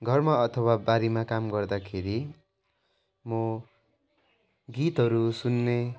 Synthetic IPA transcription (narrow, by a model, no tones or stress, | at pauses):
ɡʱʌrmaʌt̪ʰʌwabaɾimakamɡʌrd̪akʰeɾi | mo | ɡit̪ɦʌɾusunːe